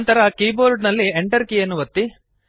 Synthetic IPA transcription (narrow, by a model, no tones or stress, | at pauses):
nt̪ɐɾɐkiːboːɾɖnɐlːieɳʈɐɾkijɐnːuʋɐt̪ːi